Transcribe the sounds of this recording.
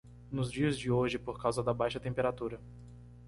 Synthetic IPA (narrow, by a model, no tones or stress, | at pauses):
nʊzd͡ʒiɐzd͡ʒɪoʒɪpoɾkawzɐd̪ɐbajʃɐt̪ẽpeɾat̪uɾɐ